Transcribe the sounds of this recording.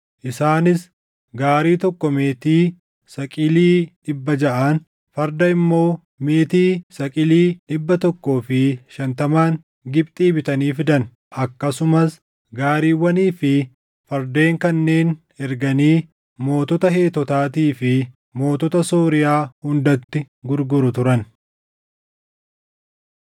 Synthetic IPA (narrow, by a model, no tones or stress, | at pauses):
ʔɪsaːnɪs | ɡaːɾiːt̪ɔkːɔme̞ːt̪iː | sɐkʼɪliːᶑɪbːɐd͡ʒɐʔɐn | fɐɾd̪ɐɪmːo̞ː | me̞ːt̪iːsɐkʼɪliːᶑɪbːɐt̪ɔkːo̞ːfɪʃɐnt̪ɐmaːŋ | ɡɪb̚t̪ʼiːbɪt̪ɐniːfɪd̪ɐn | ʔɐkːɐsʊmɐs | ɡaːɾiːwːɐniːfɪ | fɐɾd̪e̞ːŋkɐnːe̞ːn | ɛɾɡɐniː | mo̞ːt̪ɔt̪ɐhe̞ːt̪ːɔt̪aːt̪iːfɪ | mo̞ːt̪ɔt̪ɐsoːɾɪjaːhʊnd̪ɐt̪ːɪ | ɡʊɾɡʊɾʊt̪ʊɾɐn